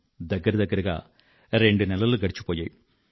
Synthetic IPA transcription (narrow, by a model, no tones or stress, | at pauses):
d̪ɐɡːɐɾɐd̪ɐɡːɐɾɐɣa̰ː | ɾeɳɖɨnɛlːɐlɡɐɽit͡ʃːu̥pːoːjɐ̰ːju